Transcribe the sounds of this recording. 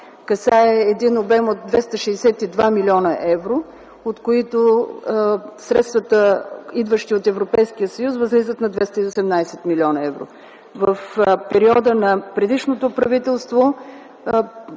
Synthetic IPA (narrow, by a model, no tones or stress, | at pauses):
kɐsaɛːd̪inobɛmot̪̚d̪vɛst̪əʃɛjsɛt̪id̪vamilʲɔnəʔɛvɾo | ot̪koit̪o | sɾɛt̪st̪vət̪əid̪vəʃt̪iot̪ɛvɾopɛjskijəsəjusvəzlizət̪nɐd̪vɛst̪əiosɛmnajsɛt̪milʲiɔnɐɛvɾo̰ | vəfpɛɾiɔd̪ənɐpɾɛd̪iʃnot̪opɾɐvit̪ɛlˠst̪vo